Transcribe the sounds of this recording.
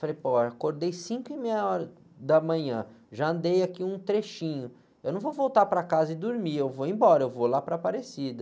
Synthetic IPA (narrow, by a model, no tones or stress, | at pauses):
falejpoakoɾd̪ejsĩkʊɪmejɐɔɾɐ | d̪ɐmɐ̃ɲɐ̃ʒaɐ̃nd̪ejakiũt̪ɾeʃĩɲʊ | ewnɐ̃w̃vovowt̪apɾɐkazɐɪd̪uɾmiewvoẽbɔɾɐewvolapɾɐpaɾesid̪ɐ